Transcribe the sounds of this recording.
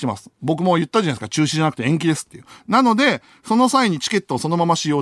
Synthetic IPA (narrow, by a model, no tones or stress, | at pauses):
t̪emasɨ̥bo̞k̬ɯ̟mo̞jɯ̟t̪ːad͡ʑanaieskat͡ɕɨːɕiʑanak̟t̪eẽ̞ŋk̬ʲid̪e̞sɨ̥t̪ːejɯ̟nano̞d̪e̞ | so̞no̞saiɲ̟it͡ɕi̥ke̞t̪ːoːso̞no̞mamaɕijo̞ː